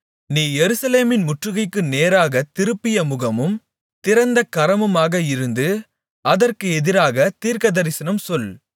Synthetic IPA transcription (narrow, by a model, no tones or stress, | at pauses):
niːjɛɾɯsɐleːmɪnmʊʈrɯɣɐɪkːɯneːɾaːɣɐt̪ɪɾɯpːɪjɐmʊɣɐmɯm | t̪ɪɾɐnd̪ɐkɐɾɐmɯmaːɣɐɪɾɯnd̪ɯ | ɐðɐrkɯɛðɪɾaːɣɐt̪iːɾkɐðɐɾɪsɐnɐmsɔl